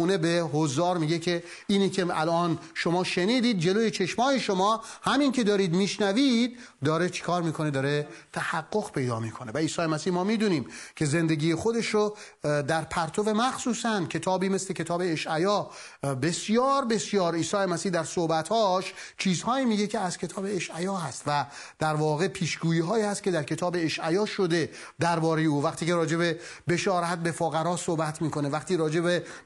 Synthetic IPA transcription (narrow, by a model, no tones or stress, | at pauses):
uːnebeɦozd̪ɒːɾmiːɟe̞kʰe̞ | iːniːkʰʲe̞ælʔɒːnʃomɒːʃeniːd̪iːd̪̚d͡ʒe̞lojet͡ʃʰe̞ʃmɒːjeʃomɒːhæminkʰe̞d̪ɒːɾiːd̪miːʃnæviːd̪̚ːɒːɾet͡ʃʰe̥kʰɒːɾmiːkʰo̞ned̪ɒːɾet̪ʰæhæɡːo̞ɣpʰe̞jd̪ɒ̰ːmiːkʰone̞væiːsɒːjemæsiːhmɒːmiːd̪uːniːmkʰe̞ze̞nd̪eɡiːjexod̪e̞ʃɾo | d̪æɾpʰæɾt̪ʰove̞mæxsuːsæncʰe̞t̪ʰɒːbiːmesle̞cʰe̞t̪ʰɒːbe̞ːʃʔæjɒː | be̞sijɒːɾbe̞sjɒːɾiːsɒːemæsiːhd̪æɾsohbæt̪hɒːʃt͡ʃʰiːzhɒːiːmiːɡecʰe̞æz̥cʰe̞t̪ʰɒːbeːʃʔæjɒːɦæst̪væ | d̪̥æɾvɒːɣe̞pʰiːʃɡuːjiːɦɒːiːhæst̪̚cʰe̞d̪æɾkʰe̞t̪ʰɒːbe̞eʃʔæjɒːʃo̞d̪e̞ | d̪æɾbɒːɾe̞jeuːvæqt̪ʰiːkeɾɒːd͡ʒe̞be | be̞ʃɒːɾæt̪̚be̞foɣæɾɒːsohbæt̪ʰmiːko̞nevæqt̪ʰiːɾɒːd͡ʒe̞be